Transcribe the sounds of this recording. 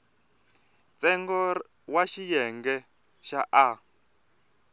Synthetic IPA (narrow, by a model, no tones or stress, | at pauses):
t͡sɛŋɡɔ | waʃijɛŋɡɛ | ʃaʔa